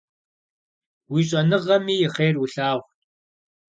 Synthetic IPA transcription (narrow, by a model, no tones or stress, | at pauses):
wiːɕ̬ʼɐnɨʁɐmiːjɪχeːrwʊɬaːʁʷ